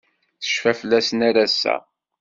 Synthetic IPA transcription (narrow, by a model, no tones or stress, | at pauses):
θə̥ʃfæfəlːæsnæɾæsːæ̰